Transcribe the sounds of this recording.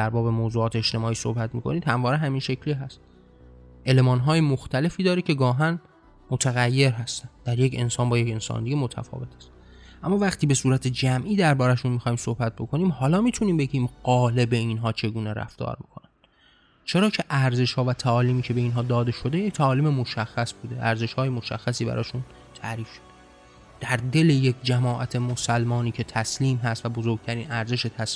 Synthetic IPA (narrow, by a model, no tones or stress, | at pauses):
d̪æɾbɒːbemoːzuːɒːt̪eeʃt̪e̞mɒːiːso̞̰hbæt̪miːkʰo̞niːd̪hæmvɒːɾeɦæmiːnʃekcʰliɦæst̪ | ʔe̞le̞mɒːnɦɒːjemoxt̪ʰæle̞fiːd̪ɒːɾicʰe̞ɡɒːɦæn | mot̪ʰæɣæjːe̞ɾɦæst̪ænd̪̥æɾje̞cʰe̞̰nsɒːnbɒːjece̞nsɒ̰ːnd̪iɡemo̞t̪ʰæ̰fɒ̰ːve̞t̪ʰæ̥st̪ | ʔæmːɒːvæχt̪ʰiːbe̞suːɾæt̪ʰed͡ʒæmʔiːd̪æɾbɒːɾæʃunmixɒːhiːmso̞hbæt̪̚bo̞kʰoniːmhɒːlɒːmiːt̪ʰuniːmbeɟiːmɢɒːle̞be̞inɦɒːt͡ʃʰe̞ɡuːneɾæ̰ft̪ɒ̰ːɾmikʰo̞nænd̪̥ | t͡ʃʰe̞ɾɒːcʰe̞ʔæɾze̞ʃhɒːvæt̪ʰæɒːliːmiːcʰe̞be̞iːnɦɒːd̪ɒːd̪e̞ʃo̞d̪e̞ject̪ʰæɒːliːmemoʃæxːæsbuːd̪e̞ʔæɾze̞ʃhɒːjemo̞ʃæxːæsiːbæ̰ɾʔɒ̰ːʃun | t̪ʰæɾiːfʃod̪̥e | d̪̥æɾd̪e̞lejekʰd͡ʒæmɒːʔæt̪ʰe̞mosælmɒːniːcʰe̞t̪ʰæsliːmɦæst̪væbo̞zoɾɡ̚t̪ʰæɾiːnæɾze̞ʃet̪ʰæs